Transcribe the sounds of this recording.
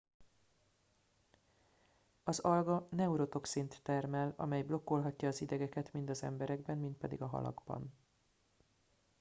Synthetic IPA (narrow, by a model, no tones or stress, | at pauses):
ɒzɒlɡɒnɛuɾo̞t̪o̞ksint̪ːɛrmɛlɒ̰mɛjblo̞kːo̞lɦɒcːɒːzid̪ɛɡɛkɛt̪mind̪ɒzɛ̰mbɛɾɛɡbɛnmːint̪̚pɛd̪iɡɒɦɒ̰lɒ̰ɡbɒ̰n